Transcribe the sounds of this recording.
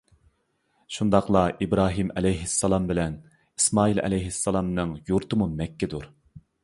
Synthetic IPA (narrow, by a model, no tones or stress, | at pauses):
ʃund̪ɑχlˠɑʔibɾɑːɦimɛlɛjɦɪsːɑlˠɑmbɪlɛn | i̥smɑːilɛ̰lɛjɦɪsːɑlˠɑmnɨŋjuɾt̪ɨmumɛkʲːɪd̪uɾ